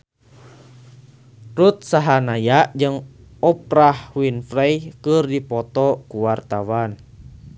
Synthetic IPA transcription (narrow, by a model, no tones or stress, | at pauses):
rut̪̚saɦanajaʔd͡ʒɨŋ | ɔp̚rahwinfɾɛjkɨrdipɔt̪ɔkuwart̪awan